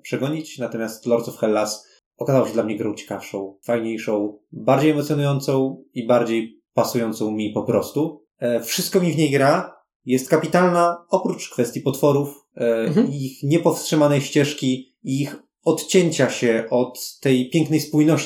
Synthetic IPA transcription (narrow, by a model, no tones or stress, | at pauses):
pʂɛɡɔɲit͡ɕnat̪ɔmʲjast̪lɔɾt̪sufxɛlːas | ɔkazawɕɛd̪lamɲɛɡɾɔ̃w̃t͡ɕɛ̥kafʂɔ̃w̃fajɲejʂɔ̃w̃baɾd͡ʑejɛmɔt̪sʲjɔnujɔnt̪sɔ̃w̃ibaɾd͡ʑej | pasujɔnt̪sɔ̃w̃mʲipɔpɾɔst̪u | fʂɘst̪̚kɔmʲivɲejɡɾa | jɛst̪̚kapʲit̪alnaɔpɾut͡ʂkfɛst̪ʲjipɔt̪fɔɾuf | ixɲɛpɔfstʂɘmanɛjɕt͡ɕɛʂkʲi | iix | ɔt̪t͡ɕeɲt͡ɕaɕɛʔɔt̪ːɛjpʲjɛŋknɛjspujnɔɕ